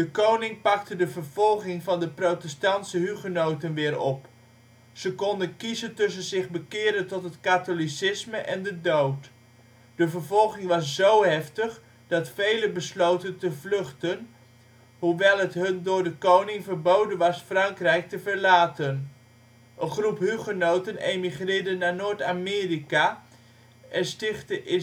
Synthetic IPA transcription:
d̥əkownɪŋpɑktədəvəɹv̥ɔlˠχɪŋvɑndəprowtɛstɑntsəɦyχənowtənʋɪːɾɔp | z̥əkɔndənkizəntɵs̬ənzɪχbəkɪːɾəntɔtɦətkatolisɪsməʔɛndədowt | d̥əvəɹvɔlˠχɪŋʋɑszowɦɛftəχ | d̥ɑtfejlənbəslowtəntəvlɵχtən | ɦuʋɛlˠɦətɦɵndʊːɹdəkownɪŋvəɹbowdənʋɑsfrɑŋkrɛjk̚təvəɹlaːtən | ʔənχrupɦyχənowtənejmiχrɪːɹdənːaːɹnoːɹtaːmɪːrikaː | ʔɛnstɪχtəʔɪ

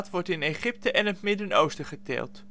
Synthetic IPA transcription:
tʋɔɹtɪnejχɪp̚təʔɛnətmɪdəno̰wstəχətɛ̰ːlˠt

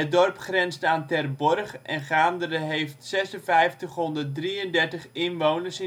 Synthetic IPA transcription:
ət̚dɔrpχrɛnstaːntɛrbɔrχɛnχaːndərəɦejftsɛsənfɛjftəχɦɔndət̚driəndɛrtəχɪnʋownərsɪ

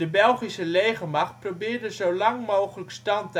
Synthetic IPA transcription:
əbɛlˠχisəlejχəmɑxt̚probɪːɹdəzowlɑŋmowχələkstɑnt

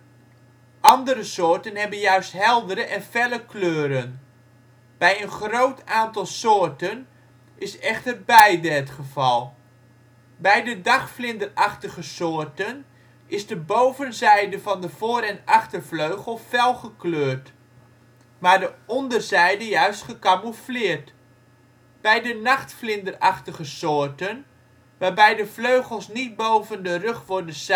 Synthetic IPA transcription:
ʔɑndəɾəsʊːɹtənɦɛbənjœɥstɦɛlˠdəɾəʔɛnfɛləkløːɾən | b̥ɛjənχrowtaːntɑlˠsoʊːrtən | ʔɪsɛχtərbɛjdəətχəvɑlˠ | bɛjdədɑχflɪndərɑχtəɣəsoːrtən | ʔɪzdəbowvənzɛjdəvɔndəv̥oːɾɛnaχtərfløɥɣəlˠfɛlˠχəkløːrt | maːrdəɔndərzɛjdəjœɥstχəkamuflɪːrt | b̥ɛjdənaχtflɪndəraχtəɣəsoːrtən | ʋaːrbɛjdəfløɥɣəlˠsnit̚bowvəndərøχʋʊrdəs

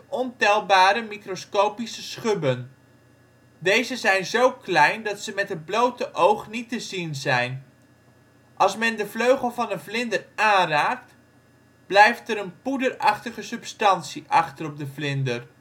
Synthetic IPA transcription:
ɔntɛlˠbaːɾəmikroskowpisəsχɵbən | dejzəzɛjnzowklɛjndɑtsəmɛtɦəd̚blowtəʔowχnitəzinzɛjn | ʔɑlˠsmɛndəvløɥχəlˠvɑnənvlɪndəraːnraːkt | b̥lɛjftəɾənpudəɾɑχtəχəsɵpstɑntsiʔɑχtərɔb̚dəvlɪndər

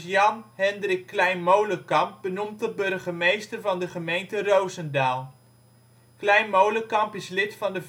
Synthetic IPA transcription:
jɑnɦɛndrɪkːlɛjnmowləkɑmp̚bənumtəbɵrχəmejstərvɑndəχəmejntərowzəndaːlˠ | klɛjnmowləkɑmpɪslɪtfɑndəv

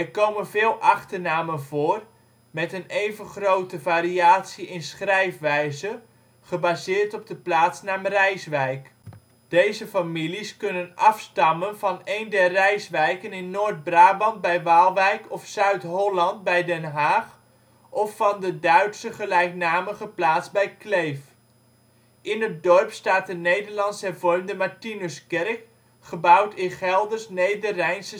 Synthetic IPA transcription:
ɛrkowmənvɪːlˠʔɑχtərnaːmənvʊːr | mɛtənejvənχrowtəvaːɾiaːtsiɪnsχrɛjfʋɛjzə | χəbaːzɪːrtɔb̚dəplaːtsnaːmrɛjsʋɛjk | d̥ejzəfamiliskɵnənɑfstɑmənvɑnejndɛrːɛjsʋɛjkənɪnːoːrd̚braːbɑnt̚bɛjʋaːlˠʋɛjkɔfsœɥtɦɔlɑnt̚bɛjdɛnɦaːχ | ʔɔfːɑndədœɥtsəχəlɛjknaːməχəplaːtsbɛjklejf | ʔɪnət̚dɔrpstaːt̚dənejdəɹlɑnsɛrvɔrmdəmatinəskɛrk | χəbawtʰɪnχɛlˠdərsnejdərɛjnsə

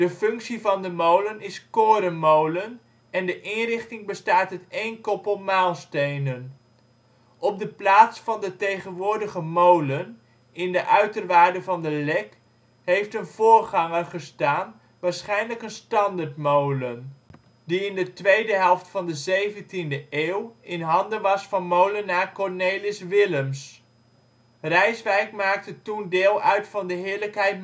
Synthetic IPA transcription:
d̥əfɵŋksivɑndəmowlənɪskoːɾənmowlən | ɛndəʔɪnrɪχtɪŋbəstaːtɦətejnkɔpəlˠmaːlˠstejnən | ʔɔb̚dəplaːtsfɑndətejχənʋʊːɹdəχəmowlən | ɪndəʔœɥtərʋaːɹdəvɑndəlɛk | ɦejftənvʊːɹχɑŋərχəstaːn | ʋaːɹsχɛjnləkənstɑndaɹtmowlən | diɪndətʋejdəɦɛlˠftfɑndəzejvəntindəʔeːwɪnɦɑndənʋɑsfɑnmowlənːaːkɔɹnejlɪsʋɪləms | rɛjsʋɛjkmaːk̚tətundɪːlˠœɥtfɑndəɦɪːɹləkɦɛjt̚

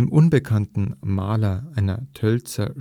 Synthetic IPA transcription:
mʔʊnbəkʰantn̩maːlɐʔaɪnɐ̰tʰœlt͡sɐ̰

